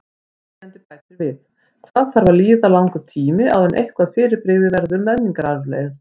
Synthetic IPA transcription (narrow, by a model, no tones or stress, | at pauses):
ɛnt̪ɪpajt̪ɪvɪð | kʰaðθaɾvaliːðalawŋkʏt̪ʰiːmɪʔa̰wðɛnʔḛjhkvaðfɪːɾɪɾpɾɪɣðɪvɛɾðʏɾmɛnːiŋkaɾaɾlḛjast̪